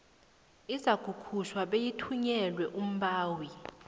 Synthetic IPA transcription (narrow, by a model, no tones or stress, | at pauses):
izaɡ̥ʱukʰuʃwaɓejitʰuɲɛlwɛʔum̩ɓaːwi